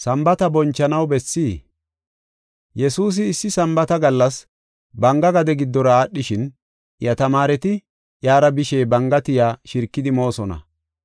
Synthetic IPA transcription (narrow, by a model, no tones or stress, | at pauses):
sɐmbɐt̪ɐbɔnt͡ʃːɐnɐwbɛsːiː | jɛsuːs̬ɪːsːɪsɐmbɐt̪ɐɡɐlːɐs | bɐŋɡɐɡɐd̪ɛɡɪd̪ːɔɾɐaːɗːɪʃɪn | jɐt̪ɐmaːɾɛt̪ɪ | jaːɾɐbɪʃeːbɐŋɡɐt̪ɪjaːʃɪɾkːɪd̪ɪmo̞ːsɔnɐ̰